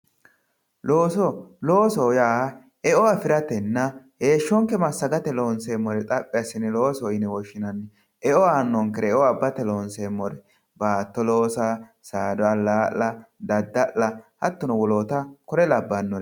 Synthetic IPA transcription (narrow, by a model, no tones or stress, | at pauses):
lo̞ːsɔloːsɔjaː | ɛʔɔafɪɾɐt̪ɛnːɐhe̞ːʃːɔŋkːɛmɐsːɐɡɐt̪ɛlo̞ːnseːmːɔɾɛt̪ʼɐpʼːɪɐsːɪnɛlo̞ːsɔɪnɛwɔʃːɪnɐnːɛ | ʔɛʔɔaːnːɔŋkɛɾɛʔɔabːɐt̪ɛlo̞ːnsemːɔɾɛ | baːt̪ːɔloːsa | saːd̪ɔɐlaːlːɐd̪ɐd̪ːɐʔːɐhɐt̪ːɔnɔwɔloːt̪ɐkɔɾɛlɐbːɐnːɔɾɛ